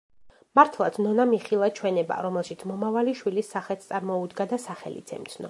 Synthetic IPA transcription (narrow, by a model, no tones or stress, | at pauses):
maɾt̪ʰlˠat̪snɔnamiχilˠat͡ʃʰwɛnɛba̰ɾɔmɛlˠʃit̪sʰmɔmavaliʃwilisːaχɛt̪st̪sʼaɾmɔud̪ɡad̪asaχɛ̰lḭt̪sʰɛ̰mt̪sʰnɔ̰